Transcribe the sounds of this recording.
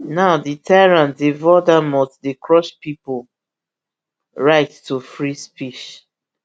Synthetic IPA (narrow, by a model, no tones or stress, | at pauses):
naʊditʰajɹãntdevɔdamɔtdekɹɔʃpipo | ɹaɪttufɹispiʃ